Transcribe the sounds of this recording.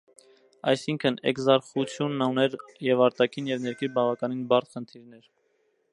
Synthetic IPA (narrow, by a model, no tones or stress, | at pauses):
ɑ̰jsiŋkʰənɛ̰kzɑɾχut͡sʰjunːɑnɛɾjɛvɑɾt̪ɑkʰinjɛvnɛɾkʰiɾbɑvɑkɑninbɑɾt̪χənt̪ʰiɾnɛɾ